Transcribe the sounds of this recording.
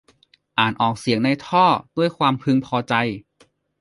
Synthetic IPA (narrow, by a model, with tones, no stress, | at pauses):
ʔaː˨˩nʔɔː˨˩k̚si˨˩˦əŋna˧jt̪ʰɔː˥˩du˥˩əjkʰwaː˧mpʰɯ˧ŋpʰɔː˧t͡ɕa˧j